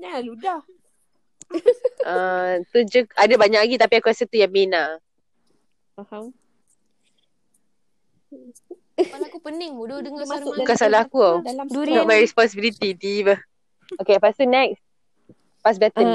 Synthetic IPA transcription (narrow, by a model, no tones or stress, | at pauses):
aludah | ət̪ud͡ʒukadabaɲaʔkaɡit̪apiakuasət̪ujaŋmina | kupənɪŋmuddəŋukasalakuanɔmajɹɛspɔnsibilit̪it̪iːbəh | okepast̪unɛks | pas̬bɛt̪ən